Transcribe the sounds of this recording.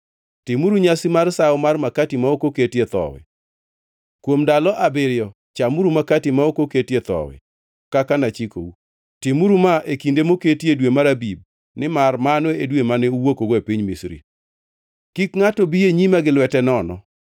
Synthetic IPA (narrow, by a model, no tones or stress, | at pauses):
tɪmuɾuɲasimarsaʊmarmakatimaokoketjet̪ɔ̰wɪ̰ | kwomdalɔʔabɪɾɪjɔ | t͡ʃamuɾumakatimaokoketjet̪ɔ̰wɪ̰ | kakanat͡ʃiko̰u | tɪmuɾumaʔekindemoketedwemaɾabib̚ | nɪmarmanoedwemanɛuwokoɡoepiɲmisɾḭ | kikŋatɔbijeɲimaɡɪlwɛtɛnɔnɔ̰